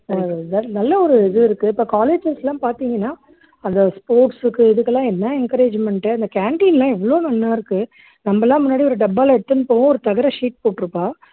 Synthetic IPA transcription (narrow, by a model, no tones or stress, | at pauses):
nɐnɐlːɐɔɾɯɪðɯɪɾɯkːɯɪpːoːkaːleːd͡ʒɐslãːpaːɾt̪iːŋɡɐnːaː | ɐnðɐspoːʈsɯkːɯɪðɯkːɐlːãːɛnːɐɛnkɐɾeːd͡ʒmɛɳʈɯɐnd̪ɐkaːɳʈiːnlãːɛʋːɐɭoːnɐnːaːɪɾɯkːɯ | nɐmːɐɛlːãːmʊnːaːɽiɔɾɯɖɐbːaːlɐɛɽɯt̪ːɯnːɯpoːʋõɔɾɯt̪ɐɣɐɾɐʂiːʈ̚poːʈːɯɾɯpːaː